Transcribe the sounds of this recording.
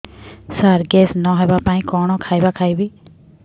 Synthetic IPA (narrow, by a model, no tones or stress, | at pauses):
səɾɡɛːsnɔ̃ːɦɛːbaːpãːĩːkɔːɳõːkʰaːibaːkʰaːiːbiː